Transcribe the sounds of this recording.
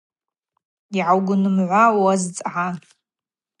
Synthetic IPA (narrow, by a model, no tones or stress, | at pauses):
iʕawɡʷʊnɨmʕʷawazt͡sʼʕan